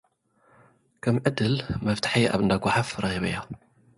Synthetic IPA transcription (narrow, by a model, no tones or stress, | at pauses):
kʰɐmʕɨd̪ɨlmɐft̪ʰḁħiʔa̰βɨnd̪aɡʷaħafɾɑxiβɐ̰jːa